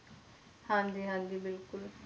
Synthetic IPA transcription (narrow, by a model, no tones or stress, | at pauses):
hãnd̪iɦãnd̪ibɪlkʊl